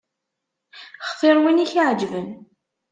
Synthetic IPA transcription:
χθˤɪɾˤwiniçʕd͡ʒvən

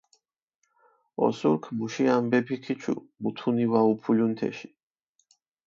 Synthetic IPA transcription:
ɔ̰suɾkʰmuʃiambɛpʰikʰit͡ʃʰṵmut̪ʰuniwaupʰulunt̪ʰɛ̰ʃi̥

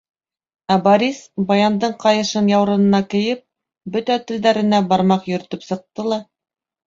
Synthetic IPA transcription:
æbɐɾʲisbɑjɑnd̪ɤɴqɑjɤ̆ʃɤnjɑwɾɤ̆nɤ̆nɑkɘ̆jɘp̚ | bɵt̪æt̪ɘ̆ld̪æɾɘ̆næbɑɾmɑqjɵ̆ɾɵ̆t̪ɵpsɤ̆q̚t̪ɤlˠɑ

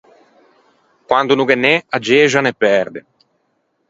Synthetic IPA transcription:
kwand̪unukenːɛad͡ʒeːʒanepːɛɾd̪ḛ

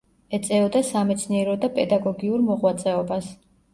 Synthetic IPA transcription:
ɛt̪sʼɛɔd̪asamɛt̪sʰniɛɾɔd̪apʼɛd̪aɡɔɡiuɾmɔʁwat̪sʼɛɔbas

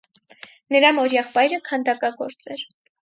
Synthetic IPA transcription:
nəɾɑmɔɾjɛχpɑjɾəkʰɑnd̪ɑkɑɡɔɾt͡sɛɾ

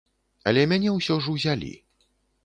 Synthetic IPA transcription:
ɐ̰lʲɛmʲanʲɛwsʲɔʐɨwzʲalʲḭ

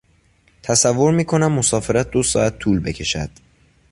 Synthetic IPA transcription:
t̪ʰæsævːo̞ɾmiːkʰo̞næmːo̞sɒːfe̞ɾæt̪̚ʰd̪o̞sɒ̰ːæt̪̚ʰːuːlbe̞cʰe̞ʃæd̪̥

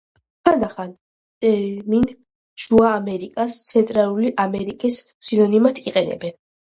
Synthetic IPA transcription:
tʰand̪aχan | t̪ʼɛmin | ʃuaːmɛɾikʼast̪sʰɛnt̪ʼɾalˠuliʔamɛɾikʼis | silɔnimat̪ʰiqʼɛnɛ̰bɛn

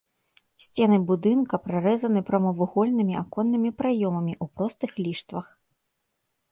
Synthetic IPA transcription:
sʲt͡sʲɛnɨbud̪ɨnkɐpɾaɾɛzɐnɨpɾɐmɐvɨɣɔlʲnɨmʲiʔakɔnːɨmʲipɾajɔmɐmʲiʔupɾɔst̪ɨxlʲiʂt̪vɐx

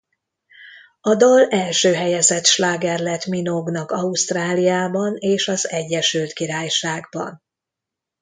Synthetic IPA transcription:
ɒd̪olɛlʃøːɦɛjɛzɛt̪ʃlaːɡɛrlɛt̪minoɡnɒkɒust̪raːlijaːbɒneːʃɒzɛɟːɛʃylt̪kiɾaːjʃaːɡbɒ̰n

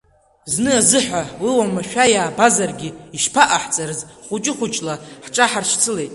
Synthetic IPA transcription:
znɨazɨħʷawiwamaʃᶣajaːbazarɡʲɪiʃpʰaʔaħt͡sʼarɨzχʷut͡ʃʼɪχʷʊt͡ʃʼlaħʈ͡ʂʼaħarʂʰt͡sʰɨle̞jtʼ

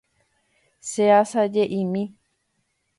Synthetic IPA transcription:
seasad͡ʒeʔĩmĩ

